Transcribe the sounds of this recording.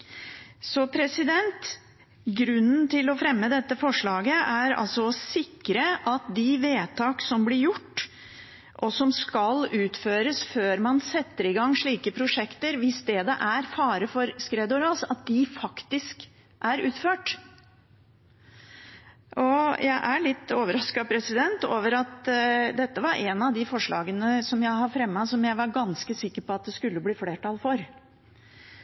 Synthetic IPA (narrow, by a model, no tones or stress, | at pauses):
sɔpʰɾɛsɪd̪ɛnt̪ | ɡɾʉnːn̩t̪ɪlɔfɾɛmːəd̪ɛt̪ːəfɔʂɭɑːɡəʔæɾɑ̰lsɔɔsɪkːɾəʔɑt̪̚d̪ɪʋeːt̪ʰɑːksɔmblɪɾjʊʈː | ʔɔsɔmskɑlʉːt̪føːɾəsføːɾmɑnsɛt̪ːəɾɪɡɑŋːʂɭiːkəpʰɾʊʂɛkt̪əɾʋɪsd̪ɛd̪ɛ̰ʔæɾfɑːɾəfɔɾskɾɛd̪ʊɾɑːsɑt̪̚d̪ɪfɑkt̪ɪsk | ʔæɾʉːt̪føːʈ | ʔɔjʔæɪʔæɭɪt̪ːoːʋəɾɑskɑpʰɾɛsɪd̪ɛnt̪oːʋəɾɑt̪d̪ɛt̪ːəʋɑɾʔɛnɑʋd̪ɪfɔʂɭɑ̰ːɡənəsɔmjæɪhɑɾfɾɛmːɑsɔmjæɪʋɑɾɡɑnskəsɪkːəɾpɔɑt̪̚d̪ɛskʉlːəbliːfleːʈɑlfɔɾ